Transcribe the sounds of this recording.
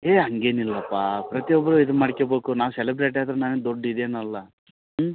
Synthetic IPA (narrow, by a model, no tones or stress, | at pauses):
ɦeːɦɐŋɡe̞ːnilːɐpːapɾɐt̪ijɔbːɐɾuid̪unmaɽikebeːkunaːʋusɛlibɾeːʈ̬aːd̪ɾɐnaːned̪oɖːid̪eːnɐlːɐ